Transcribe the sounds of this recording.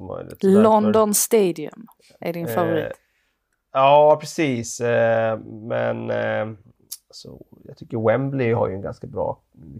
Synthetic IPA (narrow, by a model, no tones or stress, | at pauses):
mœ̰jlɪ̰t̪lɔnd̪ɔnst̪eːd̪ɪɵ̰m | ʔæɖɪnfavʊɾḭːt̪ | ɑːpʰɾɛsiːs | mɛn | asɔjɑt̪ʰʏkːəɾwɛmblɪha̰ɾjɵɛnɡa̰nskabɾɑ̰ː